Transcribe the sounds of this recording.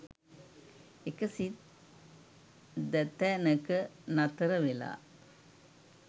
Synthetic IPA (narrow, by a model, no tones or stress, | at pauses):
ekəsi | d̪æt̪ɛnəkənat̪əɾəʋela̰ː